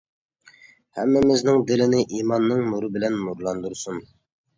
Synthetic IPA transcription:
hɛ̰mːɪmɪznɪŋd̪ɪlɪnɪʔimɑnːɨŋnuɾɨbɪlɛnmuɾlˠɑnd̪uɾsun

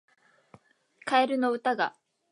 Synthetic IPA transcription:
kaeɾɯ̟no̞ɯ̟t̪aɡa

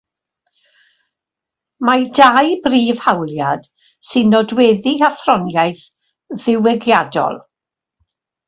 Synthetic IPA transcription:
madajbriːv̥hawljad̥ | sɨnːɔdwɛðiaθrɔnjajθ | ðɪwɪɡjadɔ̰lˠ

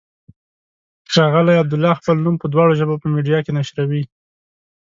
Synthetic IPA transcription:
ʃɑɣəlajab̚d̪ʊlːɑxpəlnumpəd̪wɑɽoʒəbopəmiɖijɑkenaʃɾawi

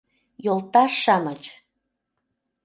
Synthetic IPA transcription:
jolt̪ɑʃɑmət͡ɕ

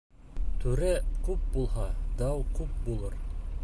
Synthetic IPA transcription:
t̪ʉɾækʉp̚bulˠɦɑd̪ɑwkʉp̚bulˠɤɾ

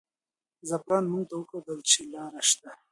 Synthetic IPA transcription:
zapɾɑːnmʊŋɡ̚t̪awəkad̪əlt͡ʃelɑːɾaʃt̪a

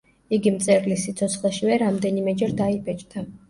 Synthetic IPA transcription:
iɡimt̪sʼɛɾlisːit̪sʰɔt̪sʰχlɛʃivɛɾamd̪ɛnimɛd͡ʒɛɾd̪aibʰʼɛt͡ʃʼd̪ʰa

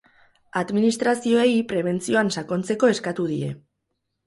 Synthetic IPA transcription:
aðminist̪ɾasio̞eipɾe̞β̞e̞nt͡sio̞ansako̞nt͡se̞ko̞e̞skat̪uðie̞̰

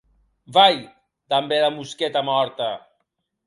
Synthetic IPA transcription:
baj | d̪ambeðamusket̪amɔɾt̪a

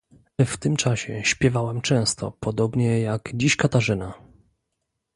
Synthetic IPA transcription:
ft̪ɘmt͡ʂaɕɛ̰ɕpʲjɛvawɛmt͡ʂɛ̃w̃st̪ɔ̰pɔd̪ɔbɲɛjaɡd͡ʑiɕkat̪aʐɘna

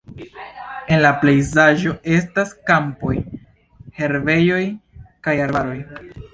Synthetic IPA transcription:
e̞nlaple̞jzaʒo̞e̞staskampo̞j | he̞ɾve̞jo̞jkajaɾbaɾo̞j

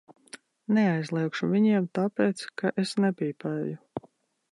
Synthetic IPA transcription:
neajzlˠiɛkʃuvʲiɲiɛmt̪aːpeːt̪skaʔesnɛpʲiːpɛju

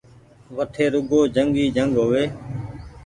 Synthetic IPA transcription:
ʋəʈʰeːɾʊɡoːd͡ʒəŋɡiːd͡ʒəŋɡɦoːʋeː

